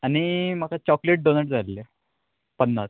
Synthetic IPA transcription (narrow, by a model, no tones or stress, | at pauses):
añimakat͡ɕɔkleʈ̚ɖonəʈ̚d͡zʱalle | pənːas